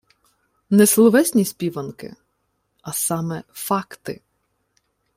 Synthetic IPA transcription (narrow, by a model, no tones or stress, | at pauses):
nɛslˠɔʋɛsʲnʲispʲiʋɐnkɪ̰ | ɐsɑmɛfɑkt̪ɪ̰